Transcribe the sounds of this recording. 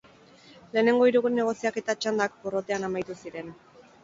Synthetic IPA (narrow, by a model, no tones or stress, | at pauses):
le̞ːne̞ŋɡo̞iɾuɣuɾene̞ɣ̞o̞siake̞t̪at͡ʃand̪ak̚poro̞t̪e̞anamajt̪usiɾe̞n